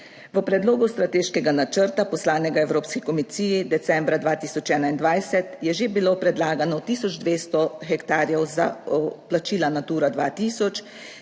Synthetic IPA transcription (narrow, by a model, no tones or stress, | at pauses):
ʋəpɾɛd̪loːɡust̪ɾat̪eːʃkɛɡanat͡ʃəɾt̪apɔslaːnɛɡaɛwɾoːpskikɔmisiːjid̪ɛt̪sɛmbɾad̪ʋaːt̪iːsɔt͡ʃɛːnaind̪ʋajsɛt̪jɛʒebilopɾɛd̪laːɡanɔt̪iːsɔd͡ʒd̪ʋeːst̪ɔxɛkt̪aːɾjɛwza̰plat͡ʃiːlanat̪uːɾad̪ʋaːt̪iːsɔt͡ʃ